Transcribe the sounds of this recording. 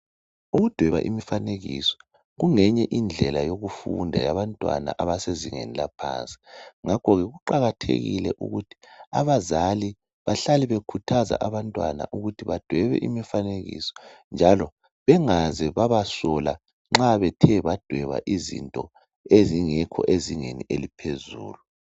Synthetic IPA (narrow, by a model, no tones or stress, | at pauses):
uɣud̥ʱwɛβa̰ʔimifaneɣḭsɔ̥ | ɣuŋɛɲɛʔind͡ɮʱɛlajoɣufṵndʱajaβantʼwa̰na̰ʔaβaseziŋḛnilapʰa̰ːnt͡sʼi̥ŋakʰɔɣɛɣuǃaɣatʰḛɣḭlɛʔṵɣutʰi̥a̰βazali | βaɬaliβekʰutʰaza̰ʔaβantʼwa̰na̰ʔuɣutʰiβad̥ʱwɛβɛ̰ʔimifaneɣḭsɔ̥nd͡ʒʱalɔ | βɛŋazɛβaβasɔla | ŋ͡ǁaβɛtʰɛβad̥ʱwɛβa̰ʔizḭntʼɔ | eziŋɛkʰɔ̰ʔeziŋeniʔelipʰezuːlu